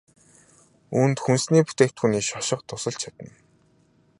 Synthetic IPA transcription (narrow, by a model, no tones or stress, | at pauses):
unt̪xunsniːput̪eːkt̪xuniːʃɔʃɪ̆qt̪ʰʊsə̆ɮt͡ɕt͡ɕʰat̪ə̆n